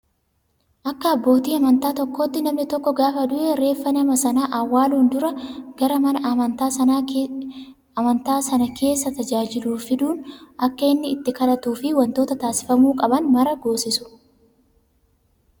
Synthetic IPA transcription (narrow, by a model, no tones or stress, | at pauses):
ʔɐkːɐːbːo̞ːt̪iːɐmɐnt̪aːt̪ɔkːoːt̪ːɪnɐmnɪt̪ɔkːɔɡaːfɐd̪ʊʔeːɾe̞ːfːɐnɐmɐsɐnaːʔɐwːaːluːnd̪ʊɾɐɡ̥ɐɾɐmɐnɐʔɐmɐnt̪aːsɐnaː | ɐmɐnt̪aːsɐnɐkʰe̞ːsːɐt̪ɐd͡ʒaːd͡ʒɪluːfɪd̪uːnɐkːɐɪnːɪːt̪ːɪkɐlɐt̪uːfɪwɐnt̪o̞ːt̪ɐt̪aːsɪ̥fɐmuːkʼɐbɐnmɐɾɐɡo̞ːsɪsʊ̥